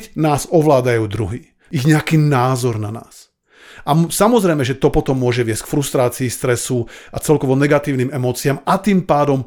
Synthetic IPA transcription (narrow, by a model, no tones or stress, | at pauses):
naːzɔʋlaːd̪ajuːd̪ɾuɦi | iɣɲɛakiːnaːzɔɾnana̰ːs | ʔasamɔzɾɛjmɛʒɛt̪ɔpɔt̪ɔmːʊɔʒɛʋɪɛsc̚kfɾust̪ɾaːt͡siːst̪ɾɛsuat͡sɛlkɔʋɔnɛɡat̪iːʊniːmɛmɔːt͡siamat̪iːmpaːd̪ɔm